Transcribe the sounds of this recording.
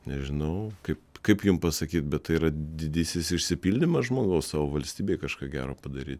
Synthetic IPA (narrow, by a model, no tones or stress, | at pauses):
nʲɛʒʲɪnɐʊkɐɪpkɐɪpjʊmpɐsɐkʲiːt̪̚bʲɛt̪t̪ɐɪiɾɐd̪ʲɪd̪ʲiːsʲɪsɪʃʲsʲɪpʲiːlʲd̪ʲɪmɐsʒmoːɡɐʊssɑːʋoːʋɐlʲsʲt̪ʲiːbʲeːɪkɐʃkɑːɡʲæ̰ːɾoːpɐd̪ɐɾʲḭːt̪